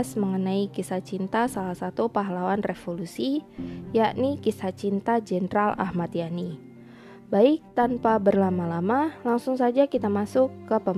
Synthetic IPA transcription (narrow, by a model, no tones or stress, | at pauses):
sməŋənaikisat͡ʃint̪asalahsat̪upaɦalawanrefolusijaʔnikisat͡ʃint̪ad͡ʒɛnɾala̰hmat̪ijani | baɪk̚t̪anpabərlamalamalaŋsʊŋsad͡ʒakit̪amasʊkːəpə